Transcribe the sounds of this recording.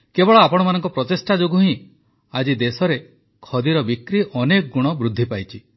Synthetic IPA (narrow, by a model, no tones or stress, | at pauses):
kebɔɭɔapɔɽ̃ɔmanɔŋkɔpɾɔt̪isʈad͡ʒoɡuɦĩ | ad͡ʒid̪esɔɾe | kʰɔd̪iɾɔbikɾiʔɔnekɔɡuɽ̃ɔbɾud̪ʱːipajt͡ʃʰi